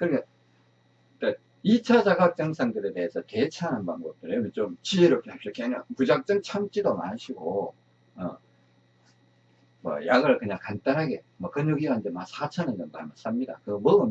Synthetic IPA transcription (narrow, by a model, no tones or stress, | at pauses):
kɯɾkʰa | k͈a | it͡ɕʰad͡ʑaɡak̚t͡ɕ͈ʌŋsʰaŋdɯɾe̞te̞esʰʌte̞t͡ɕʰananbaŋbʌp̚t͈ɯɾemɯnt͡ɕomt͡ɕieɾok͈ʰeaɭpɕ͈ik͈ʰeɦaɲapud͡ʑak̚t͡ɕ͈ɯŋt͡ɕʰamt͡ɕ͈idoma̰nɕʰiɡo | ʌ̰ | mʌ̰jaɡɯɭkɯɲaŋkant͈anɦaɡe̞mwʌkɯnjoɡiɡaɯnd͡ʑemasʰat͡ɕʰanɯnd͡ʑʌmmaɭmas͈amɲida̰kɯɡʌmʌɡɯn